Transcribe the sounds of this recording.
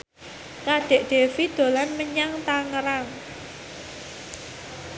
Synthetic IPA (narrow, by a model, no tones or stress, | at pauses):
kaɖ̥e̤ʔɖ̥e̤fid̪̥o̤lanməɲaŋt̪aŋəɾaŋ